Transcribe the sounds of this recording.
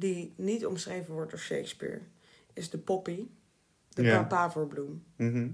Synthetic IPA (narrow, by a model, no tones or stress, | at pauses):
dinitɔ̰msrejvənʋɔɹtɔfʃḛjkspḭːɹ | ɪzdəpɔpi | dəpapaːvəɹblum